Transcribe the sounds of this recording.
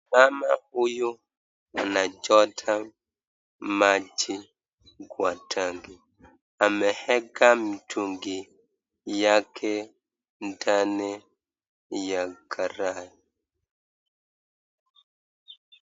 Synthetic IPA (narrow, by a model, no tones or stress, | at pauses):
mama̰ujo | anad͡ʒɔtʰam | mad͡ʒi | ɡwatʰaŋɡi | amɛhɛɡamitʰuŋɡi | jakʰɛ | ndanɛ | jakʰaɾai